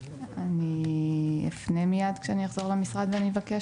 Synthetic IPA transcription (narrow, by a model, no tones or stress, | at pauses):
ani | ḛfnemijad̪kʃeanijaχzo̞ʁlemisʁad̪veanivake